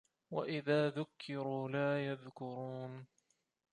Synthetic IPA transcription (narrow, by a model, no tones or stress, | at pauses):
wa̰ʔɪðaːðʊkʰːɪɾuːlaːjaðkʊɾuːn